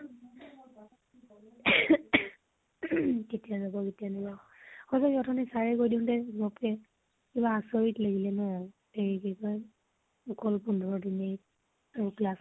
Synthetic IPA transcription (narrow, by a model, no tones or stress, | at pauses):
tetijazabɔketijanaza | xɔzaɔtʰɔnɛsaɹɛkojdiʊ̃ntɛmɔpkɛ | kibaːsɔɹitlaɡilɛnɔ | eɹikikɔj | ɔkɔlpundʱɔɹdine | aɹuklas